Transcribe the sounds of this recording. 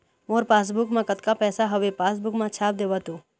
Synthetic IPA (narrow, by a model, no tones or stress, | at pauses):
moːɾpaːs̬bʊkmãkət̪kapɛːsaɦɐʋepaːs̬bʊkmãt͡ʃʰaːp̚d̪eːʋat̪oː